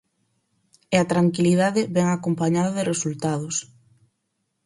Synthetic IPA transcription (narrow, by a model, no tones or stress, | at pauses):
eat̪ɾaŋkiliðaðɪβɛŋakompaɲaðaðɪresult̪að̞ʊs